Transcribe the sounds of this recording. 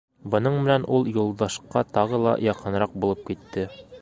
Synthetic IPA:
bɤ̆nɤɴbɘ̆nænʔulˠjulˠd̪ɑʃqɑt̪ɒʁɤlˠɑ̰jɒqɤ̆nɾɑq̚bulˠɤp̚kit̪ːɘ

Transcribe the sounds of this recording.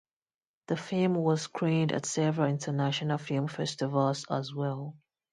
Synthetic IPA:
ðəfilˠmwɔskʰɹĩndə̰tsɛvəɹəɪ̃ntʰənaʃənəlˠfilˠmfɛstɪvəlˠzə̰zwɛlˠ

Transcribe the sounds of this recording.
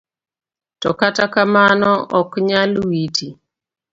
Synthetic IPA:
tɔkatakamanɔʔɔkɲalwiti

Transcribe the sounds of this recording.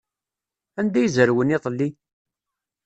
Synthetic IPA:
ænd̪æjzəɾwəniðˤlːi

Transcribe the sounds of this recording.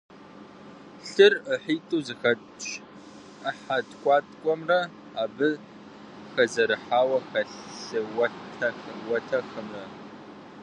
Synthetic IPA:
ɬɨrəħiːtʼuwzɨxɐ | t͡ʃʼ | əħatkʷʼɑːtʼkʷʼɔmrɐ | aːbɨ | xɐzɐɾɨħaːwɐxɐɬɬɨwɐtʰɐxɐwɐtʰɐxɐmrɐ

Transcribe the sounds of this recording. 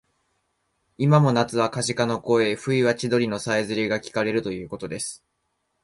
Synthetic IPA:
imamo̞nat͡sɨβakaɕikano̞ko̞e̞ɸɯ̟iβat͡ɕid̪o̞ɾʲino̞saizɨɾʲiɡakʲi̥kaɾe̞ɾɯ̟t̪o̞jɯ̟ːko̞t̪o̞d̪e̞sɨ̥

